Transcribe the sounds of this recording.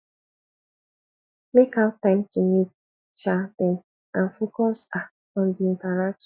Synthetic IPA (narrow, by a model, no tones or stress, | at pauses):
mekaʊtːãɪ̃mtimit | ʃatẽn | ãnfokɔsa | ɔ̃ndiĩntaɾak̚ʃɔ̥̃